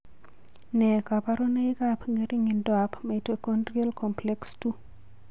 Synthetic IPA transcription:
nɛ˨ka˨pa˦ɾo˦ne˦i˦ka˦pŋɡe˦ɾi˦ŋi˨ndɔa˨pme˨to˨ko˦ndrie˦lkɔmple˦kstu˦

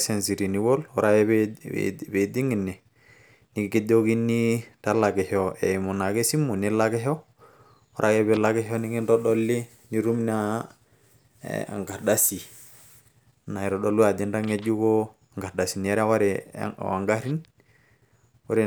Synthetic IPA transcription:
sɛ˨nsi˨ɾi˨ni˨bɔ˦lɔ˨ɾa˦jɛ˦b̰ | be˨di˦ŋi˨nɛ˨ | ni˨ki˦ɡi˦do˦ɡi˦ni˦ta˦la˨ɡɛ˨hɔ˨ɛ˨mu˨na˨ɡe˦si˦mu˨ni˦la˦kɛ˦ɦɔ˦ | ɔ˦ɾʔa˦jɛ˦bɛ˨˦la˦ɡɛ˦ɦɔ˦ni˦ɡi˦ndɔ˦dɔ˦li˦ | ni˦ɾu˦mn˦a˦ | a̰˨ŋɡa˨ɾda˦si˨ | na˨i˨ɾɔ˦dɔ˦lu˦a˨di˦nda˦ŋɛ˦d͡ʒu˦kɔ˦ | ŋɡa˨ɾda˨si˨n˨ɛ˦ɾa˦wa˦ɾɛ̰˨a̰˨ŋɡa˦ɾi˦n | wɔ˦ɾi˨

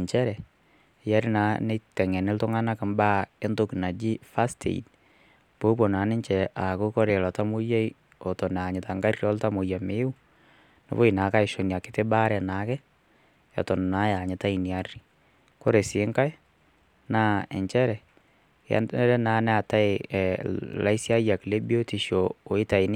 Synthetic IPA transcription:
ɲt͡ʃɛ˦ɾɛ˨ | ja˦ɾi˦na˨˦nɛ˦tɛ˨ŋɛ˨nɪ˦ltʊ˦ŋa˦na˦ka˨mba˦ɛ˦ndo˦ki˨na˨d͡ʒi˦fa˦stʰḛ˨ḭ˨d̚ | po˦bo˨na˨˦nɪ˦ɲt͡ʃɛ˨ʔa˨ko˦kɔ˦ɾe˨lɔ˨ta˦mu˦je˦j | o˨tɔ˨n˨a˨ɲɪ˨ta˨ŋɡa˦rjɔ˦lta˦mo˨ja˨me˦ʊ˦ | nɪ̰˨βo˦i˨na˨ka˦ɪ˨ʃo˨ni˨a˨kɪ˦te˦ba˦ɾɛ˨na˨˦kɛ˦ | ɔ̰˨tɔ˨nna˦ja˨ɲɪ˨ta˦i˨ni˨a˦ri˨ | ko˦ɾe˨sɪ˨˦ŋka˦e˦ | na˦ɛ˨ɲt͡ʃɛ˦ɾɛ̰˨˦ | ɾɛ˦na˨˦nɛ˦a˨ta˦e | la̰˦i˦sja˦ja˨kle˦bi˦o˦ti˨ʃo˨o˨ɪ˦ta˨i˦nɪ˦

